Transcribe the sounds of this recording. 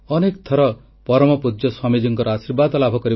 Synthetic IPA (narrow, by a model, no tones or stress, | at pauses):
ɔnekt̪ʰɔɾɔ | pɔɾɔmɔpud͡ʒjɔswamid͡ʒɔŋkɔɾɔasiɾbad̪ɔlabʱɔkɔɾi